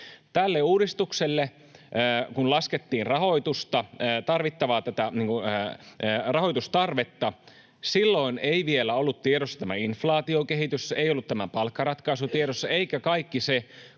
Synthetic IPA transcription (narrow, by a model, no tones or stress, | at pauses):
t̪ælːeuːdist̪ukselːeː | kunlɑsket̪ːiːnrɑho̞it̪ust̪ɑt̪ɑrʋit̪ːɑʋɑːt̪æt̪æniːŋkuː | rɑɦo̞ijt̪ust̪ɑrʋet̪ːɑ | silːo̞ineiʋielæolːut̪t̪ieɾosːɑ̥t̪æmæinflɑːt̪iokeɦit̪yseijolːut̪t̪æmæpɑlkːɑɾɑt̪kɑsut̪ieɾosːɑeikækɑikːise